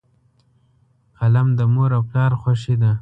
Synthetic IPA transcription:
qalamd̪əmoɾawklɑːɾxwaʃid̪a

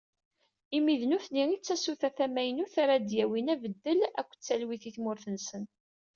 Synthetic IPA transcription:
imiðnuθniit͡sːæsuθæθæmæjnuθaɾˤad̪jæwinævəd̪ːəlæ̰kʷːt͡sːælwiθiθmʊɾθənsən

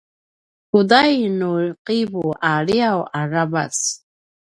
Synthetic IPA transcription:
kudajnuqibuʔaɭiawaɾaba̰s

